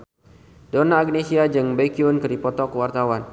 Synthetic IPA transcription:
donaːɡnesiad͡ʒɨŋbekiunkɨɾipɔt̪ɔkwart̪awan

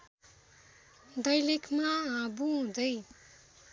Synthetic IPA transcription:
d̪ʌjlekʰmaãbuɦũd̪ʌj

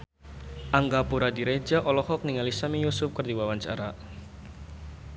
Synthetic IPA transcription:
ʔaŋɡapuɾadiɾed͡ʒaʔɔlɔhɔk̚niŋalisamijusʊp̚kərdiwawaɲt͡ʃa̰ɾa

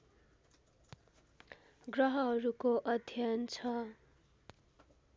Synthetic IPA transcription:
ɡrʌɦʌɦʌɾukoʔʌd̪ʱjʌnt͡sʰʌ

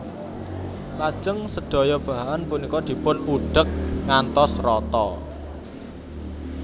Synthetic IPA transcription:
lḁʒ̥əŋsəd̪̥o̤jɔb̥a̤ɦanpunikɔd̪̥i̤pʊnuɖ̥ə̤k̚ŋant̪ɔsrɔt̪ɔ

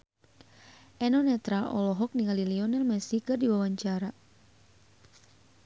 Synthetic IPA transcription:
ʔɛnɔnɛt̪ɾaʔɔlɔɦɔk̚niŋaliliɔnɛlmɛsikɨrdiwawaɲt͡ʃaɾa

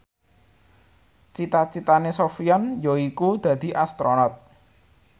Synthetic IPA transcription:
t͡ʃit̪at͡ʃit̪anesofiɔnjɔikud̪̥ä̤d̪̥i̤ʔast̪ɾonɔt̪̚

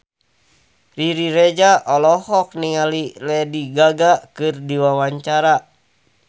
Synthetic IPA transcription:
riɾiɾed͡ʒaʔɔlɔhɔk̚niŋalilɛdiɡaɡakɨrdiwawaɲt͡ʃaɾa

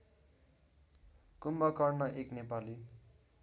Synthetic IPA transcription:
kumbʌkʌrnʌʔeknepali

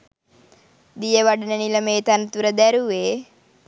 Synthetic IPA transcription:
d̪ijɐʋɐɖɐnɐnilɐmeːt̪ant̪uɾɐd̪æɾuʋeː

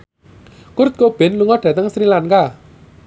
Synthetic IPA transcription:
kʊɾt̪̚kob̥ɪ̤nluŋɔɖ̥ä̤t̪əŋsɾilaŋka

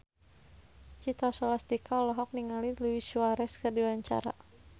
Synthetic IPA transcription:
t͡ʃit̪ɔsɔlast̪ikʰaɔlɔɦɔk̚niŋaliluwisuaɾɛskərdiwaɲt͡ʃa̰ɾa̰

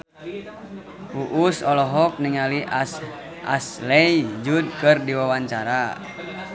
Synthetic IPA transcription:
uʔusɔlɔɦɔk̚niŋaliʔ | ʔa̰slɛjd͡ʒud̚kɨrdiwawaɲt͡ʃaɾa

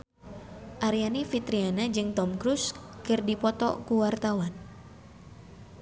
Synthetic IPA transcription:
ʔaɾianifit̪ɾianad͡ʒɨŋt̪ɔmkɾuskɨrdipɔt̪ɔ̰kuwart̪awan

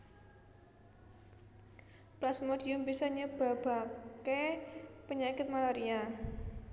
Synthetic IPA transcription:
plasmodiʊmbisɔɲəb̥a̤b̥a̤kepəɲakɪt̪̚malaɾia

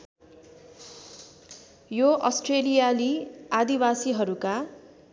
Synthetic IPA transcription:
joʔʌsʈrelijaliad̪ibasiɦʌɾuka

